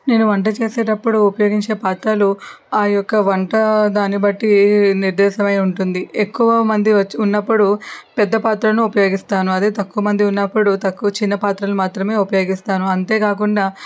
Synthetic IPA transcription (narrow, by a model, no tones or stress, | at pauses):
ne̞ːnuʋɐɳʈ̬ɐt͡ʃeːseːʈɐpːuɽuːpɐjo̞ːɡiɲt͡ʃe̞ːpaːt̪ɾaːlu | aːjɔkːɐʋɐɳʈɐd̪aːnibɐʈːiniɾd̪ɛːʃɐmɐjuɳʈund̪iekːuʋɐmɐnd̪iɐt͡ʃunːɐpːuɽupɛd̪ːɐpaːt̪ɾɐnuːpɐjo̞ːɡist̪aːnuɐd̪eːt̪ɐkːuɐmɐnd̪iunːɐpːuɽut̪ɐkːuɐt͡ʃinːɐpaːt̪ɾɐlumaːt̪ɾɐme̞ːupɐjo̞ːɡist̪aːnuɐnt̪e̞ːkaːk̬uɳɖaː